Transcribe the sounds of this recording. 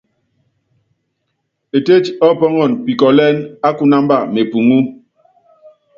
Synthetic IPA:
e˨te˦t͡ʃɔ˦˨pɔ˦ŋɔ˦˨npi˨kɔ˨lɛ˦na˦ku˦na˦mba˦˨me˨pu˨ŋu˦

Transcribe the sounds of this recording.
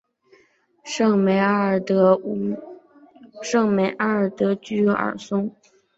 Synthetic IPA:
ŋme˧˥ɪ˨˩˧ | ʂɤ˥˩ŋme˧˩ɪʔa˥ə˞˨˩t̪ɤ˧˥t͡ɕy˥jɔ˥ʔə̰˞˨˩sʊ˥ŋ

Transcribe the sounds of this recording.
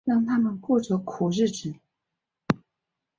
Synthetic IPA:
ɻɑ˥˩ŋt̪ʰa˥mə˨nkwɔ˥˩ʈ͡ʂɤ˧˥kʰu˨˩ɻɻ̩˥˩ʈ͡ʂɻ̩˨˩

